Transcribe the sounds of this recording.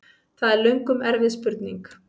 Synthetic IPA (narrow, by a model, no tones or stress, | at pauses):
θaðɛɾlœɥŋkʏmɛɾvɪðspʏɾt̪niŋk